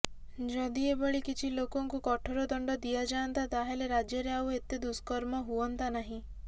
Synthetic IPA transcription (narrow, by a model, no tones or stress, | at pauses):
d͡ʒɔd̪iebɔɭikit͡ʃʰilokɔŋkukɔʈʰoɾɔd̪ɔɳɖɔd̪ijad͡ʒaɔnt̪at̪aɦeleɾad͡ʒjɔɾeawet̪ed̪uskɔɾmɔɦuɔnt̪anaɦĩ